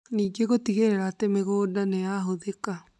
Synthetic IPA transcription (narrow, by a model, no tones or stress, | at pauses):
niːɡeɣotiɣeɾeɾatemeɣoːdanejaɦoðeka